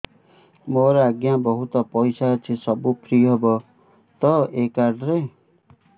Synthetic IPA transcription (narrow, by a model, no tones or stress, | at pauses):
moɾɔaɡjabɔɦut̪ɔpɔjsat͡ʃʰisʌbupʰɾiɦɔbɔ | t̪ɔekaɾɖɾe